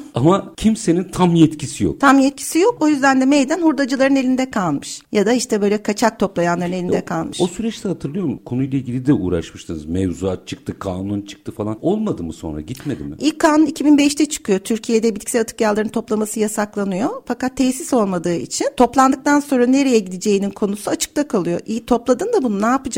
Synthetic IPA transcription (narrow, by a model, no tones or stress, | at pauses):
amacʰimse̞nint̪ʰamjɛt̪cʰisijo̞̰kt̪ʰamjɛt̪̚cʰi̥sijo̞ko̞jyzd̪ænd̪ɛmejd̪ænhuɾd̪ad͡ʒɯlˠaɾɯnelʲind̪ɛkʰalˠmɯʃjad̪aiʃt̪ʰɛbø̞jlʲɛkʰat͡ʃʰak̚t̪ʰo̞plˠajanˠaɾɯne̞lʲind̪ɛkʰalˠmɯʃosyɾɛt͡ʃt̪ʰɛhat̪ʰɯɾlˠɯjo̞ɾmkʰo̞nujlˠailɟʲilʲid̪ɛṵːɾa̰ʃmɯʃt̪ʰɯnɯzmɛvzuat̪̚t͡ʃʰɯk̚t̪ʰɯkʰaːnunt͡ʃʰɯ̥k̚t̪ʰɯfalˠano̞lˠmad̪ɯmɯso̞̰nɾa̰ɟit̪med̪ḭmɪ̰ʔilkʰːaːnunicʰibinbɛʃt̪ʰɛt͡ʃʰɯ̥kʰɯjo̞t̪ʰyɾcʰije̞d̪ɛbilʲcʰʲi̥sɛlat̪ʰɯ̥kjalˠːaɾɯnt̪ʰo̞plˠamasɯjasaklˠanɯjo̞fakat̪ʰːeːsiso̞lˠmad̪ɯːḭt͡ʃʰint̪ʰo̞plˠand̪ɯk̚t̪anso̞nɾane̞ɾejɛɟid̪ed͡ʒe̞jininkʰo̞nusuat͡ʃʰɯ̥k̚t̪akʰalˠɯjo̞ʔit̪ʰo̞plˠad̪ɯːnd̪abununaːpɯd͡ʒa